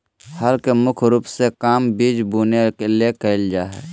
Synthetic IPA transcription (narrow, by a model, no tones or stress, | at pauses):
həɾkemʊkʰɾuːpsekaːmbiːd͡ʒbuːnekelekəɪld͡ʒaːɦɛ̰ː